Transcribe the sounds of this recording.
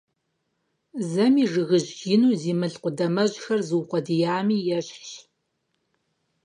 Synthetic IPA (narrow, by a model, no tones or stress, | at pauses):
zɐmiːʐɨɣɨʑɡɪnuːziːmɨɬqʷʊdɐmɐʑxɐrzɨwqʷɔdijaːmiːjɛɕɬ